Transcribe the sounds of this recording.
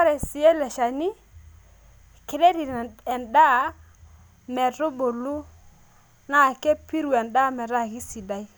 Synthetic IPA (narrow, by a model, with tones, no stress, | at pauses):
a˦ɾɛ˨sɪ˨ɛ˦lɛ˨ʃa˨nɪ˦ | ke˨ɾɛ˦ɾi˨ɛ˨nda˦˨˦ | mɛ˨ɾʊ˦bo˨lu˦ | na˦˨kɛ˦pi˦ɾu˨ɛ˨nda˦mɛ˨ɾa˦˨ki˦si˨da˦j